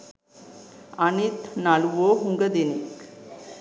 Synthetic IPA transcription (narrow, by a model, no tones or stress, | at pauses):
anit̪nalʋoɦuŋɡɐd̪inik